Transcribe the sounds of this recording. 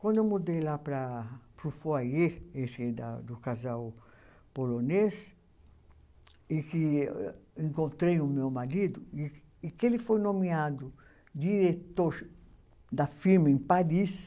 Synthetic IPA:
kwɐ̃nd̪ewmud̪ejlapɾapɾufoajeesɛd̪a̰d̪ukazaw | polones | iki | ẽŋkõnt̪ɾejumewmaɾid̪ʊi | ikelɪfojnõmiad̪ʊ | d̪iɾet̪oɾ | d̪afiɾmɐẽpaɾis

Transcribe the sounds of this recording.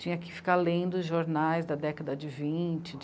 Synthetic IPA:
t͡ʃĩɲɐkɪfi̥kalẽd̪ʊʊzʒoɾnajzd̪ɐd̪ɛkɐd̪ɐd͡ʒɪvĩt͡ʃɪ

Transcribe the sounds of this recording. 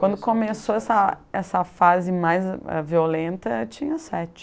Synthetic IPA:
kwɐ̃nd̪ʊkõmesoɛsɐɛsɐfazɪmajzɛ̰violẽnt̪ɐɛt͡ʃĩɲɐsɛt͡ʃɪ̥

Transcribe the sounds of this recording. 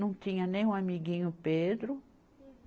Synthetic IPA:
nɐ̃w̃t̪ĩɲɐnẽj̃ũamiɡĩɲʊped̪ɾʊ

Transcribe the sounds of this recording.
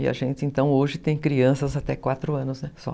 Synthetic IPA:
ɪa̰ʒẽnt̪ɪẽnt̪ɐ̃w̃oʒɪt̪ẽj̃kɾiɐ̃sɐzat̪ɛkwat̪ɾʊɐ̃nʊznɛsɔ̰

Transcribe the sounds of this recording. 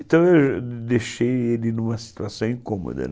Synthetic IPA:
t̪ɐ̃w̃ewd̪eʃejelɪnũmɐsi̥t̪uasɐ̃w̃ĩkõmo̰d̪ɐ̰n

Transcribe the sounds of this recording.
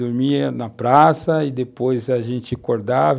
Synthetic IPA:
oɾmiɐnɐpɾasɐid̪epojzaʒẽnt͡ʃɪkoɾd̪av

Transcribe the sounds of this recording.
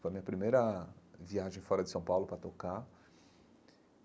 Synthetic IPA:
fojɐmĩɲɐpɾimejɾɐviaʒẽj̃fɔɾɐd͡ʒɪsɐ̃w̃pawlʊpɾɐt̪oka

